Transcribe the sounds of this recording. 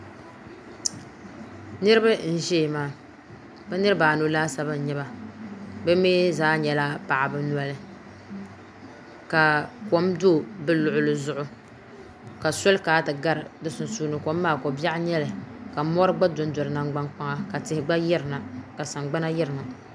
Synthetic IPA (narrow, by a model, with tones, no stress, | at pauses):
nɨ˦ɾɨ˦ba˦n̩˦ʒɛ˦˨maː˦ | bɛ˦nɨ˦ɾɨ˦baː˨no˨˦laː˦sa˦ba˦n̩˨ɲɛ˦ba˨ | bɛ˦me˦zaː˦ɲɛ˨la˦pa˨ʔa˨bɨ˨˦n˨a˨lɨ˦ | ka˨ko˨˦mdo˦˨bɨ˦lʊ˨ʔʊ˦lɨ˨zʊ˦ʔʊ˦ | ka˨sɔ˦lkaː˨˦tɨ˨ɡa˦ɾɨ˨dɨ˦sʊ˨n˨suː˦nɨ˨ko˨˦mː˦aː˦˨ko˨bja˦ɲɛ˦lɨ˨ka˨mɔ˦ɾɨ˦ɡ͡ba˦dʊ˨˦n˦dɔ˨lɨ˨na˦ŋɡ͡ba˦nk͡pa˦ŋa˦ka˨tɪ˨˦hɪ˦ɡ͡ba˦jɛ˦ɾɨ˨na˨ka˨sa˨ŋɡ͡ba˦na˦jɛ˦ɾɨ˨ma˨